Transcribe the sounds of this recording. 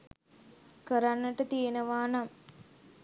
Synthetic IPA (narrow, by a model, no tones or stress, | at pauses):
kəɾanːəʈət̪ijenəʋaːnam